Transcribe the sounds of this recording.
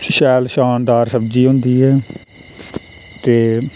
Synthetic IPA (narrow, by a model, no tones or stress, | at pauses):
ʃɛːlʃaːnd̪aːɾsəbd͡ʒiːɦʊ̃nd̪iːɛː | t̪eː